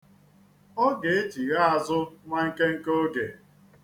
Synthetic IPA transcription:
o˦ɡe˨e˦t͡ʃi˨ɣa˦a˨zʊ˦ŋʷa˦ŋ̩˦ke˦ŋ̩˦ko˦ɡe˨

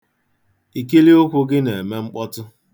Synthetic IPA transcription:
i˨ki˦li˦o˦kʷʊ˦ɡɪ˦ne˨e˨me˦ŋ͡m̩˦k͡pɔ˦tʊ˦

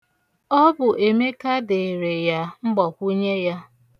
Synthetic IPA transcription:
ɔ˦bʊ˨ʔe˨me˦ka˦dɪ˨ɾe˨ja˦ŋ͡m̩˦ɡ͡bɔ˨kʷu˦ɲe˦ja˦

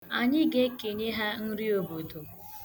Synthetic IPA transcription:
a˨ɲɪ˦ɡe˦ke˨ɲe˦ɦa˦n̩˦ɾi˦o˨bo˨do˨

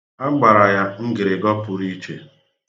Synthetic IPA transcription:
a˦ɡ͡ba˨ɾa˨ja˦ŋ̩˦ɡɪ˨ɾɪ˨ɡɔ˦pʊ˨ɾi˦t͡ʃḛ˨

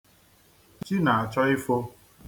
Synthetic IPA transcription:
t͡ʃi˦na˨a˨t͡ʃɔ˦i˦fo˦

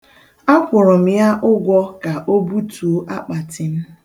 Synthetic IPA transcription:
a˦kʷʊ˨ɾɔ˨m̩˦ja˦ʔʊ˦ɡʷɔ˦ka˨ʔo˦bu˦tu˨˦ʔa˦k͡pa˨tɪ˨m̩˦

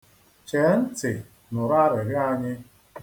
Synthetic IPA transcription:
t͡ʃe˨˦n̩˦tɪ˨ | nʊ˨ɾa˦ɾɪ˨ɾɪ˦a˦ɲɪ˦

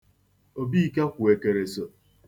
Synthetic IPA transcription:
o˨bi˦˨ka˦kʷu˨e˨ke˨ɾe˨so˨

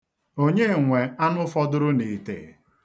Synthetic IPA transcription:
o˦ɲe˦˨ŋʷe˨a˦nʊ˦fɔ˦dʊ˦ɾʊ˦ni˨tḛ˨

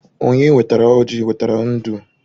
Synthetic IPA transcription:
o˨ɲe˦we˨ta˨ɾa˨˦o˦d͡ʒi˦˨we˨ta˨ɾa˨˦n̩˦du˦

